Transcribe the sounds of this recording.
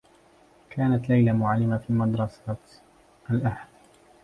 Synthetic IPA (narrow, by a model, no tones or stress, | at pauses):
kʰaːnat̪lajlamʊʕalːɪmafiːmad̪ɾˤɑsat̪ | ʔalʔahl